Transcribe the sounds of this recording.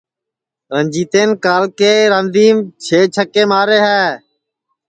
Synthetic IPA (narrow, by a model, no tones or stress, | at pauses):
ɾənd͡ʒiːt̪eːnkaːlkeːɾãːnd̪iːmt͡ʃʰeːt͡ʃʰəkeːmaːɾeːɦɛː